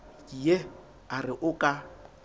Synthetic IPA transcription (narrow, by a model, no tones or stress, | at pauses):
kʼije | arɪʔʊkʼa